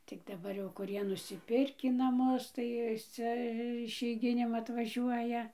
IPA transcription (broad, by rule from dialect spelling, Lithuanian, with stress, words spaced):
tʲɪk dɐˈbɐr jɛʊ kʊˈrʲiɛ nʊsʲɪˈpʲɪrʲkʲiː nɐˈmʊs tɐɪ ˈt͡sʲɛ ɪʃʲɛɪˈɡʲɪnʲeːm ɐtʋɐˈʒʲuɔjɛ